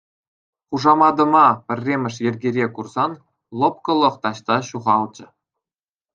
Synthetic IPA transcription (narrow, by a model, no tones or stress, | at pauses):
χuʐɑmɑd̪ɤ̆mɑpʲɘ̆rʲːemʲɘ̆ʂ̬jɘ̆rʲɡʲeɾʲekurzɑn | lˠop̚kɤ̆lˠɤ̆χt̪ɑɕt̪ɑɕuʁɑlˠd͡ʑɘ̆